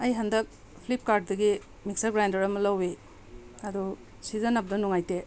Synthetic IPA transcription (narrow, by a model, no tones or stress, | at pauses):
ɐjɦandɐk̚ | pʰlip̚kaɾd̚dɐɡi | mik̚saɡɾajndɐɾɐmɐlawe | ɐdu | sizanap̬̚dɐnuŋajte